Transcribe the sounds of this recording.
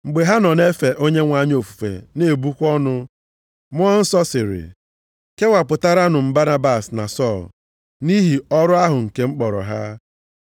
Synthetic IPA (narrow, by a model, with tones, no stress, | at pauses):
ŋ͡m̩˨ɡ͡be˨ɦa˦nɔ˨ne˦fe˨ʔo˦ɲe˦ŋʷa˦ɲ˦o˨fu̥˨fḛ˨ne˨bu˦kʷɔ˦nʊ˦ | mʊ˦ɔ˦n̩˦sɔ˦sɪ˨ɾɪ̰˨ | ke˦ŋʷa˨pʊ˨ta˦ɾa˦nʊ˨m̩˦ba˦na˦ba˨sna̰˨sɔ˦˨l | ni˦ɦi˨ɔ˦ɾʊ˦a˦ɦʊ˨ŋ̩˨ke˦ŋ͡m̩˦k͡pɔ˨ɾɔ̰˨ɦa˦